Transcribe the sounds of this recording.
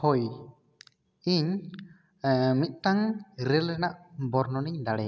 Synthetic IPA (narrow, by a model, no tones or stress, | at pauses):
hɔj | iɲ | mit̪̚ˀt̪aŋɾɛlɛnaʔbɔɾnɔniɲd̪aɽɛ